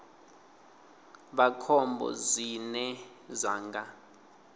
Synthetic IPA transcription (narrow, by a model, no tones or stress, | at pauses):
ɓakʰɔmbʱɔ̰zinɛ | zaːŋɡa